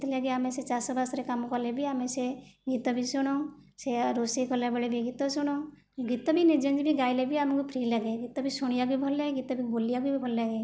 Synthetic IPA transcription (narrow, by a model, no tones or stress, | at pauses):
t̪ʰlaɡeameset͡ʃasɔbasɾekamkɔlebʱiameseɡit̪ɔbʱisɔɽ̃ɔ | seɾosekɔlabəɽebʱiɡit̪ɔsuɽ̃ɔ | ɡit̪ɔbʱinid͡ʒənd͡ʒbʱiɡaːjlebʱiamɡupɾilaɡeɡit̪ɔbʱisuɽijaɡibʱɔlːeɡeɡit̪ɔbʱibolijaɡubibʱɔllaɡe